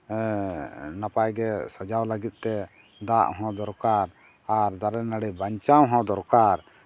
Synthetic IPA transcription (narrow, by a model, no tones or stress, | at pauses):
napajɡɛsad͡ʒawləɡit̪̚ˀt̪ɛ | d̪aʔɦɔ̃d̪ɔɾkaɾ | aɾd̪aɾɛnaɽɛbaɲt͡ʃawɦɔ̃d̪ɔɾkaɾ